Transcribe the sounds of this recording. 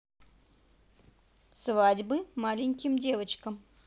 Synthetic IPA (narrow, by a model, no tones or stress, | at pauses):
svadʲbɨmalʲɪnʲkʲɪmdʲe̞vət͡ʃkəm